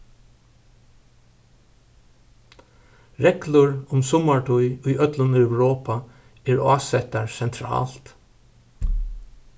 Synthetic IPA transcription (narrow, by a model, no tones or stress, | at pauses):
ɾɛklʊɹʊmsʊmaɹʈʰʊjʊjʔœt̪lʊnœwɹoːpa | ɛːɹɑːsɛt̪aɹsɛnt̪ʰɾɑ̰ːlt̪